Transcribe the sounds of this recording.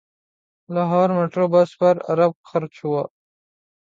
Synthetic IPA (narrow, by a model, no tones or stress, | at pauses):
laːɦɑːɾmeʈɾoːbaspɐɾɐ̰ɾɐb̚xaɾt͡ʃʰuwa